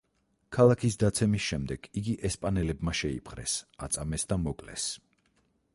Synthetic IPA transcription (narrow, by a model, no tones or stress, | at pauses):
kʰalˠakʰisd̪at̪sʰɛmisʃɛmd̪ɛɡ̥iɡiʔɛspʼanɛlɛbmaʃɛḭpʰχɾɛ̰sat̪sʼamɛsd̪amɔkʼlɛ̰s